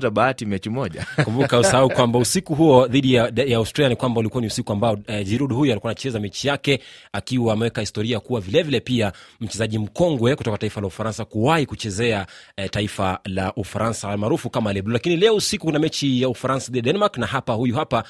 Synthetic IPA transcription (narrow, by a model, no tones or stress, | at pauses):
taɓaatimɛt͡ʃimɔa̰kummbukausahaukwambausikuɦuɔðiɗijaastɾalianikwambaulikuwaniusikuambaɔd͡ʒiɾuɗhujualikuanat͡ʃɛzamɛt͡ʃijakɛakiwaːmɛwɛkahistɔɾiakuwavilɛvilɛpiam̩t͡ʃɛzaʄim̩kɔŋɡwɛkutɔkataifalaufaɾansakuwahikut͡ʃɛzɛataifalaʔufaɾansamaːɾufukamalɛblɔlakinilɛɔusikukunamɛt͡ʃijaufaɾansaðidiɗɛnɛmaɾknaɦapahujuɦapa